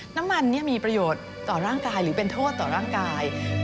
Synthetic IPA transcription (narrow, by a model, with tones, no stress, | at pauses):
na˦˥mːa˧nːi˦˥˩ɐmiː˧pɾa˧joː˨˩t̪̚ːɔː˨˩ɾaː˥˩ŋkaː˧jɾɯː˩˦pe˧nt̪ʰoː˥˩t̪ːɔː˨˩ɾaː˥˩ŋkaː˧j